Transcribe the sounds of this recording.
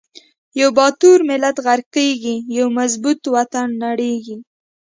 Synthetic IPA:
jawbɑt̪uɾmɪlat̪ɣaɾqeɡijawmazbut̪wat̪anːaɽeɡi

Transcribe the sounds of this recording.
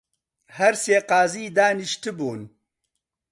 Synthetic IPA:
hɐɾseːqaːziːd̪aːniʃt̪ɨbuːn

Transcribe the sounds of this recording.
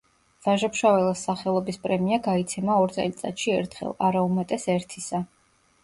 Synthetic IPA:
v̥aʒapʃavɛlˠasːaχɛlˠɔbispʼɾɛmiaɡait̪sʰɛmaɔɾt̪sʼɛ̰lit̪sʼa̰t̪ʃiɛɾt̪ʰχɛ̰lˠaɾaumɛt̪ʼɛsɛɾt̪ʰisa

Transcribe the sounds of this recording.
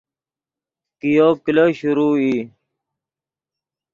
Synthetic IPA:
kijoːkiləɕuɾuːi

